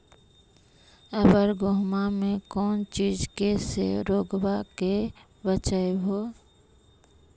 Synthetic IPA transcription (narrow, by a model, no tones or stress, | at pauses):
əɡəɾɡʊɦmamẽkɔːnt͡ʃiːd͡ʒkesḛɾoːɡbake | bət͡ʃəeɦoː